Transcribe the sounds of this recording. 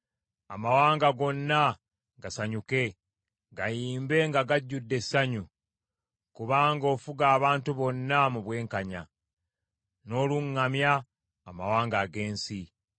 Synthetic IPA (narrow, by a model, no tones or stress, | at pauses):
a̰mawaːŋɡaɡo̞nːa | ɡasaɲuke̞ | ɡajiːmbe̞ŋɡaɡaɟːudːe̞saɲu | kuβaːŋɡo̞ːfuɡaːβaːntuβo̞nːamuβwe̞ːŋkaɲa̰ | no̞ːluŋːamjaː | mawaːŋɡaɡe̞ːnsi